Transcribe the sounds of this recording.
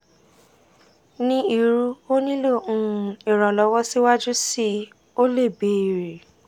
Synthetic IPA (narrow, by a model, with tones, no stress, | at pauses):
nĩ˦i˨ɾu˦o˦nĩ˦lo˦˨ũ˦˨i˨ɾ̃ɔ̃˨lɔ˨˦wɔ˦si˦wa˦d͡ʒu˦si˦ | o˦le˦˨be˨˦i˨ɾe˨